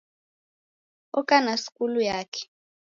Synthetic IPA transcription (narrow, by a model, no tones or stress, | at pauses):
ɔkʼanasi̥kʼulujaːkʰɛ̥